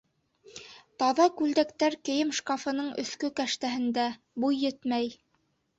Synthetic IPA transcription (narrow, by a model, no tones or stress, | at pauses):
t̪ɑðɑkʉld̪ækt̪æɾkɘ̆jɘmʃkɑfɤ̆nɤɴɵ̆θkɵkæʃt̪æɦɘ̆nd̪æ | bujːɘt̪mæj